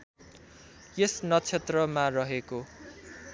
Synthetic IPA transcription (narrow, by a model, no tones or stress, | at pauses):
jesnʌt͡sʰet̪rʌmarʌɦeko